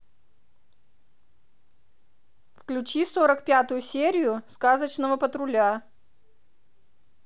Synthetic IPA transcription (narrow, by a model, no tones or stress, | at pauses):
fklʲʉt͡ɕisoɾəkpʲat̪ʊjʊsʲeɾʲɪjʊskazət͡ɕnəvəpət̪ɾʊlʲa